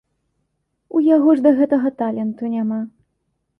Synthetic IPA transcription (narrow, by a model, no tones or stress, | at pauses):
ujaɣɔʐd̪ɐɣɛt̪ɐɣɐt̪alʲɛnt̪unʲama